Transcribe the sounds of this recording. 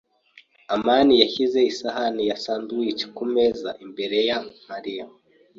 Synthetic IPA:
amaːnijaçize̞isaɦanijasaːndujici̥komezaʔimbe̞ɾe̞jamaɾija

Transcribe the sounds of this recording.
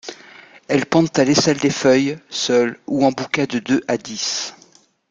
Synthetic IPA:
ɛlpɑ̃t̪alesɛld̪efœjsœluɑ̃bukɛd̪əd̪øʔad̪is

